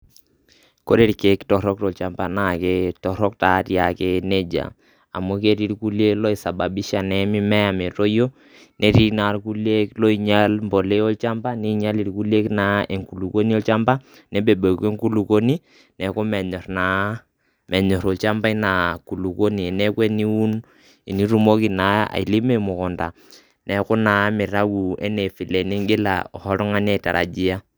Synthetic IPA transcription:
ko˦ɾe˦ɾke˨˦ktɔ˨ɾɔ˦k̚tɔ˨lt͡ʃa˨mba˨na˦˨ke˦tɔ˨ɾɔ˦k̚ta˨˦tja˨ke˦ne˦d͡ʒa̰˨ | a̰˨mu˦ke˦ɾi˦ɾku˦le˦lɔ˦i˨sa˨ba˨bi˦ʃa˨nɛ˨mi˦mɛ˦ja˨me˨to˦jo˦ | nʔe˦ɾi˦na˨ɾku˦le˦klɔ˦i˨ɲa˦lmbo˨le˦o˦lt͡ʃa˦mba˦ni˦i˦ɲa˦li˦ɾku˦le˦kna˦e˨ŋku˨lu˨ko˦ni˦o˦lt͡ʃa˦mba˦ | nɛ˦be˨bo˨ke˦ŋku˦lu˨ko˦ni˦ | nɛ˨kʊ˦mɛ˨ɲɔ˨ɾna˨˦ | mʔɛ˨ɲɔ˨ɾo˨lt͡ʃa˦mba˦i˦na˨ku˨lu˨ko˦ni˨nɛ˦kwe˦ni˦u˦n | e˨ni˦ɾu˦mo˦ki˨na˨˦a̰˨i˨li˦me˦˨mu˨kɔ˨nda̰˨ | nɛ˨kʊ˦na˨˦mɪ˨ɾa˦ɡu˨ɛ̰˦ne˨fi˨le˨ni˦ŋɡɪ˦la̰˨ɔ˨hɔ˦ɾɔ˦ŋa˦nɛ˨ta̰˨ɾʔa̰˨d͡ʒi˦a˦

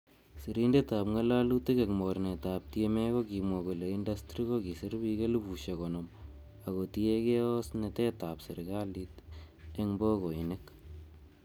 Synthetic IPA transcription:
si˨ɾinde˦ta˨pŋa˦la˦lu˦ti˦ke˨kmo˨ɾne˨tap̚tieme˦koki˨mwɔ˨ku˨le˨indastɾi˦ko˦ki˨si˦ɾbike˦lu˦bu˨ʃe˨kɔnɔm | a˨ɣo˨ti˦e˦ke˦ɔ˦sne˨te˦tapsi˨ɾɡa˦lite˦ŋbo˦ko˨i˨nek

